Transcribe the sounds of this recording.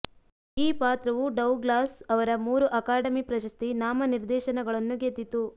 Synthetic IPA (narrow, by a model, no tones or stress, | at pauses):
iːpaːt̪ɾɐʋuɖɐwɡlaːsɐʋɐɾɐmuːɾuʔɐkaːɖɐmipɾɐʃɐst̪inaːmɐniɾd̪ɛːʃɐnɐɡɐɭɐnːuɡet̪ːit̪u